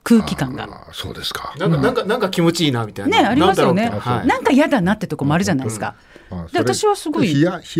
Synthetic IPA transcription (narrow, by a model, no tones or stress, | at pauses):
kɯ̟ːkʲikãŋɡa̰ | so̰ːd̪eskḁnãnãŋkanãŋkakʲimo̞t͡ɕiiːnamʲit̪ainne̞aɾʲimmasɨjo̞ne̞hanãŋkaijad̪anat̪ːet̪o̞ko̞moaɾɯ̟ʑanaisɨ̥ka̰ | d̪eβat̪aɕiβasɨɡo̞i